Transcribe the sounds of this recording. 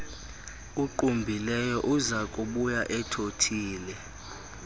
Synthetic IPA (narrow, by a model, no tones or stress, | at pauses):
uǃumbʱilɛjɔʔuzakʼuɓujaʔɛtʰotʰiːlɛ